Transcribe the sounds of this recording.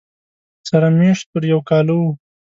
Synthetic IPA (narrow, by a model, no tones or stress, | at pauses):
saɾameʃt̪̚pəɾjawkɑlowu